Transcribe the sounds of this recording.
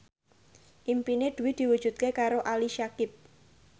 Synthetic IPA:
ʔimpined̪̥ṳwɪd̪̥i̤wud̥ʒ̥ṳt̪̚kekaɾoʔaliʃakɪp̚

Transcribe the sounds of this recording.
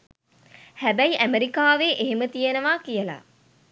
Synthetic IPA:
hæbæjiʔæmeɾikaːʋeʔeɦemət̪ijənəʋaːkijəla̰

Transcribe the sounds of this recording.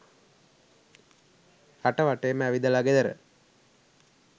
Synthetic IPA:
aʈɐʋaʈeːmæʋid̪ɐlaɡed̪ɐɾə̰

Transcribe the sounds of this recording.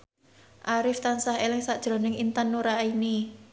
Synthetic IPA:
ʔaɾɪft̪ansahelɪŋsaʔd̥ʒ̥ɾɔ̤nɪŋint̪anːuɾaini

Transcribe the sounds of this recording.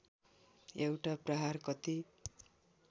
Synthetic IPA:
ewʈaprʌɦarkʌt̪i

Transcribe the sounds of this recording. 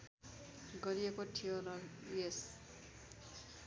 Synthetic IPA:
ɡʌɾiekoʈʰijonʌlues

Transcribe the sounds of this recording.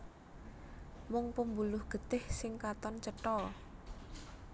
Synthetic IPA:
mɔŋpəmbulʊhɡ̥ə̤t̪ɪhsɪŋkat̪ɔnt͡ʃəʈɔ

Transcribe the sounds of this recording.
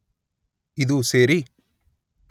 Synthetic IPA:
id̪useːɾi

